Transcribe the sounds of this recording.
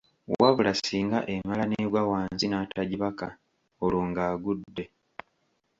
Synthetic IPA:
waβulasiːŋɡaʔe̞malaneɡwawaːnzinaːtʰaɟiβaka | oloːŋɡaːɡudːe

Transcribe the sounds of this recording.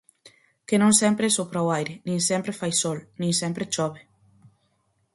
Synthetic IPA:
kenõŋsɛmpɾesopɾawajɾenĩŋsempɾefajsɔlnĩŋsɛmpɾet͡ʃɔβe

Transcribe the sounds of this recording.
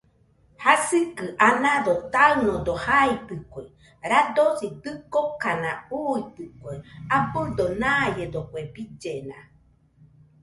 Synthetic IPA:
hasɨkɨʔanãðot̪aɯnod̪ohait̪ɨkʷe | ɾad̪osid̪ɨkokanãuit̪ɨkʷeabɨd̪onãjed̪okʷebid͡ʒena̰

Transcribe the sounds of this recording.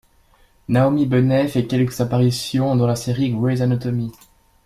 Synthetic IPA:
naomibənɛfɛkʲɛlkəz̥apaʁisjɔ̃d̪ɑ̃laseʁiɡwezanɔt̪ɔmi

